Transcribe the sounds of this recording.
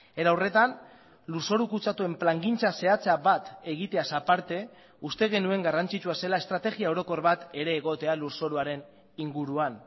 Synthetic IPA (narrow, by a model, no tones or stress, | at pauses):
eɾawre̞t̪an | luso̞ɾukut͡sat̪ue̞mplaŋɡint͡sase̞at͡seaβat̪e̞ɣ̞it̪e̞asapaɾt̪e̞ | ust̪e̞ɣe̞nue̞ŋɡarant͡sit͡ʃuase̞lae̞st̪ɾat̪e̞ɣiae̞wɾo̞ko̞ɾβat̪e̞ɾe̞ːɣ̞o̞t̪e̞aluɾso̞ɾuaɾe̞n | iŋɡuɾuan